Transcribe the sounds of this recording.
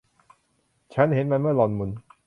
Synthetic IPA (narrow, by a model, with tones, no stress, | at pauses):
t͡ɕʰa˦˥nhe˩˦nma˧nmɯ˥˩ɐlɔ˧nmu˧n